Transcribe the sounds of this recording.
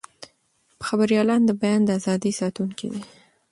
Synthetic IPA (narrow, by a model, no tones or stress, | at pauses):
pə̥xabaɾijɑlɑnd̪əbajɑnd̪əazɑd̪əsɑt̪uŋkḭd̪e